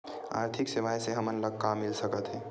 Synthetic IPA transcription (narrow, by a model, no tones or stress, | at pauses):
a̰ːɾt̪ʰɪksɪʋaːjseɦɐmənləɡ̚kamːɪlsəkət̪ɦɛː